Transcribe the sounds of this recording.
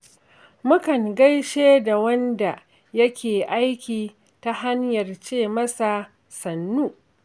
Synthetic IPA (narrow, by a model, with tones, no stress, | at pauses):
mʊ˦kɐ˨ŋɡɐ˦jʃeː˦da˨wɐ˦nda˨ | jɐ˦kʲʰeː˨ʔa˦jkʲiː˨ | ta˦ha˦ɲjɐ˨rt͡ʃeː˦˨mɐ˦sa˨ | sɐ˨nːuː˦